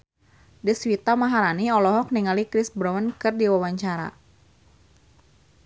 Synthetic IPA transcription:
diswit̪amaɦaɾaniɔlɔɦɔk̚niŋalikɾɪsbɾɔwənkɨrdiwawaɲt͡ʃaɾa̰

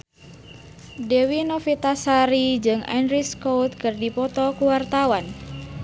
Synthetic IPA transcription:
dewinofit̪asaɾid͡ʒɨŋa̰nɾiskowt̪̚kɨrdipɔt̪ɔkuwart̪awan

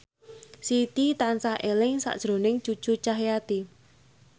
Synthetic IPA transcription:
sit̪it̪ansahʔelɪŋsa̰ʔd̥ʒ̥ɾo̤nɪŋ̥t͡ʃu̥ʒ̥ut͡ʃaɦjat̪i

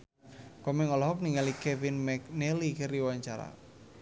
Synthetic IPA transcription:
kɔmɛŋɔlɔɦɔk̚niŋalikɛfinmɛknelikəɾiwaɲt͡ʃaɾa̰

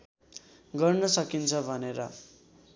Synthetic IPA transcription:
ɡʌrnʌsʌkint͡sʰʌbʱʌneɾʌ̰

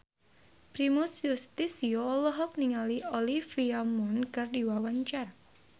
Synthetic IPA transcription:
pɾimusjust̪isiolɔɦɔk̚niŋaliolifiamɔnkardiwawaɲt͡ʃar

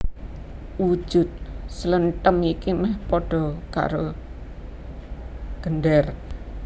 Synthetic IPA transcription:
wu̥ʒ̥ʊ̤t̪̚sələnt̪əmikimɛhpoɖ̥ɔ̤ka̰ɾo | ɡ̥ənɖɛr

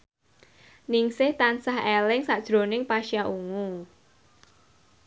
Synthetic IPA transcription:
nɪŋsɪht̪ansahelɪŋsad̥ʒ̥ɾonɪŋpaʃijaʔuŋu

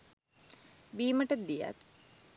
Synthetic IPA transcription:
biːməʈəd̪ija̰t̪̚

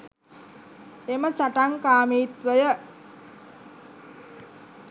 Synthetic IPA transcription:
eməsaʈaŋkaːmiːt̪ʋəjə

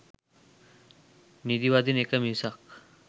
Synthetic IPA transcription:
nid̪iʋad̪iːnekamisak

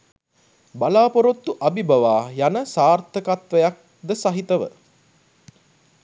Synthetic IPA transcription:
balaːpoɾot̪ːuʔabibɐʋaːjanəsaːrt̪ʰəkat̪ʋəjak̚ | d̪əsaɦit̪əʋə̰

